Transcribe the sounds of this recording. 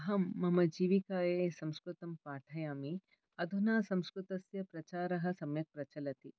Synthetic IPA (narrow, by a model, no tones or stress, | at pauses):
ɐɦɐmːɐmɐd͡ʒiːʋikaːjeːsɐmskɾut̪ɐmpaːʈʰɐjaːmi | ɐd̪ʱunaːsɐmskɾut̪ɐsjɐpɾɐt͡ʃaːɾɐɦɐ̆sɐmjɐk̚pɾɐt͡ʃɐlɐt̪i